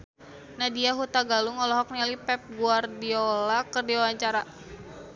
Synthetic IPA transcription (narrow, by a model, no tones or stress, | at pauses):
nadiaɦut̪aɡaluŋɔlɔɦɔk̚nialipɛp̚ɡuardiɔlakərdiwawaɲt͡ʃaɾa